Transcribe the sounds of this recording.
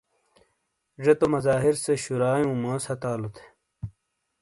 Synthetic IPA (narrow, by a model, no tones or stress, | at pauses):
ʐet̪omɐzaːɦiɾseɕuɾaːjũːmãːshɐt̪aːlot̪ʰe̥